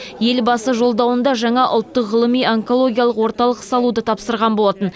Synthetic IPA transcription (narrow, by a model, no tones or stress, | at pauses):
je̞lbɑsəʒo̞lˠd̪ɑwənd̪ɑʒɑɴɑʔʊ̰lˠt̪ːəqʁəlˠəmijoŋko̞lˠo̞ɡʲijalˠəqwo̞ɾt̪ɑlˠəqsɑlˠud̪ət̪ʰɑpsəɾʁɑnbo̞lˠɑt̪ən